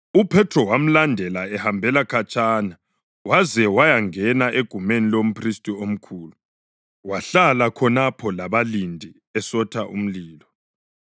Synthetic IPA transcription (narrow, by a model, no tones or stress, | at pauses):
upʰɛtʰrɔwam̩landʱɛlaɛhambʱɛlakʰat͡ʃʼaːna | wazɛwajaŋɛnaʔeɡ̥ʱumenilom̩pʰristʼiom̩kʰuːlu | waɬalakʰɔnapʰɔlaβalindʱi | ɛsɔtʰaʔṵm̩liːlɔ